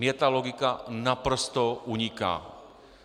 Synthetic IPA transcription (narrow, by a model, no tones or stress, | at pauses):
mjɛt̪aloɡikanapɾost̪oʔuɲika̰ː